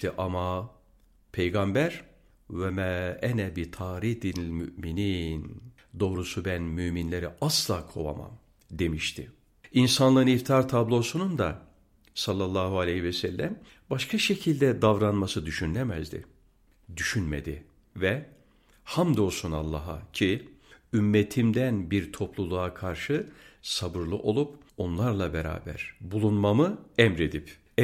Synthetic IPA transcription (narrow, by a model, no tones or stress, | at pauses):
t̪iʔama | pʰejɡambæɾ | vɛmɛɛnɛbit̪ʰaːɾihd̪ilʲmy̰ʔminin | d̪o̞ːɾusubænmyminlʲeɾɛʔaslˠaːkʰo̞̰va̰ma̰m | d̪e̞miʃt̪ʰɪ̰ | insanlˠɯnift̪ʰaɾt̪ʰablˠo̞sunund̪a | salˠːalˠːaːɦualʲehivɛsælʲːæm | baʃkʰaʃe̞cʰilʲd̪ɛd̪avɾanmasɯd̪yʃynlʲɛmæzd̪ɪ̰ | d̪yʃynmḛd̪ɪ̰ | vɛ | hamd̪o̞suna̰lˠːaɦa̰cʰiymːet̪ʰimd̪ænbiɾt̪ʰo̞plˠulˠuakʰaɾʃɯsabɯɾlˠuʔo̞lˠup | o̞nlˠaɾlˠabeɾa̰ːbæ̰ɾ̥bulˠunmamɯɛmɾe̞d̪ip | ɛ